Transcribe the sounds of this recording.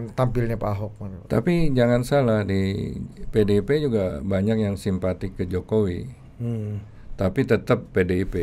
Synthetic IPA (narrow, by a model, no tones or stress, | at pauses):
t̪ampilɲapaɦɔk̚mant̪a̰pid͡ʒaŋansalahdipedeped͡ʒuɡabaɲak̚jaŋsimpat̪ɪkːəd͡ʒokowi | t̪apit̪ət̪əpːedeipe